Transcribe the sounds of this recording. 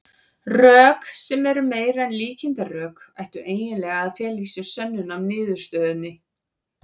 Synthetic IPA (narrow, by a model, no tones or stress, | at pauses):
rœːksɛmɛɾʏmeːjɾaɛnliːcɪnt̪arœːka̰jht̪ʏʔeːjnɪnlɛːɣaːðfɛːlisʏsœnːʏnamnɪːðʏɾ̥st̪œːðɪnːɪ